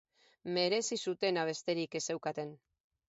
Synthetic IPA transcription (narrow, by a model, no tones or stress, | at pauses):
me̞ɾe̞sisut̪e̞naβ̞e̞st̪e̞ɾike̞se̞wkat̪e̞n